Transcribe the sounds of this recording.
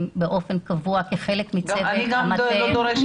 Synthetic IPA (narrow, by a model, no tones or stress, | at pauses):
mbeʔo̞fe̞nkavuakeχe̞lekmit͡semaed̪oɾeʃ